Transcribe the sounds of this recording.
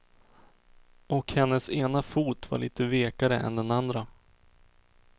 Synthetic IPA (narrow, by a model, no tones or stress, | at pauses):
ɔkhɛnːəseːnafuːt̪va̰ɭiːt̪əveːkaɾəʔɛ̰nd̪ɛnand̪ɾa